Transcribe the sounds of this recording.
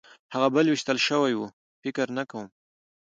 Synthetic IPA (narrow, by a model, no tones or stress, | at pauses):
haɣabəlwiʃt̪əlʃəwajwu | fɪkəɾnakawəm